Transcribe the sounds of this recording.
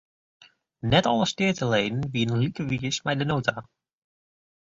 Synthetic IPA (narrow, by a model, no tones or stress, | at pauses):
nɛtɔlˠəstɪːətəleːdn̩ʋiənənlikəʋiəsmɛjdənoːtʰa